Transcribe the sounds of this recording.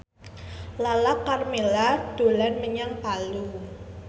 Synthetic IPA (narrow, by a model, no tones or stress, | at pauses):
lalakːarmelad̥o̤lanməɲaŋpalu